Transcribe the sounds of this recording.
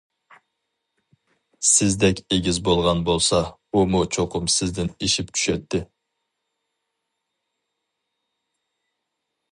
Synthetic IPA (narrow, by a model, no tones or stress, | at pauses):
sɪzd̪ɛkʲeɡʲizbolˠʁɑnbolˠsɑumut͡ʃʰoqʰʊmsɪzd̪ɪniʃipt͡ʃ̪ʰy̥ʃɛt̪ːɪ